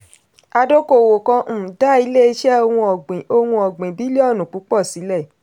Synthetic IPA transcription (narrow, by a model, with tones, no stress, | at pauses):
a˧do˦ko˦˨wo˨kã˧m̩̃ː˨da˦˨i˧˦le˦i˧˦ʃɛ˦o˧wũ˧ɔ˨ɡ͡bĩ˨o˧wũ˧ɔ˨ɡ͡bĩ˨bi˨˦le˦ɔ˦˨nũ˨k͡pu˨˦k͡pɔ˦˨si˨˦lɛ˦˨